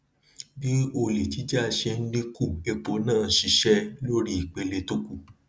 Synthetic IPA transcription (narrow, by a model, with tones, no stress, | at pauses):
bi˦o˧le˨ti˨˦d͡ʒa˦˨ʃe˧n̩˦lĩ˦ku˦˨e˧k͡po˨˦nãː˦˨˦ʃi˧ʃɛ˦lo˦ɾi˦i˨k͡pe˧le˧to˦ku˦˨